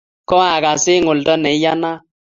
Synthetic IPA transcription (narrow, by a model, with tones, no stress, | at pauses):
kɔ˦a˨ka˨sɪ˦ŋʊ˨ldɔ˦nɛ˨˦ja˦na˦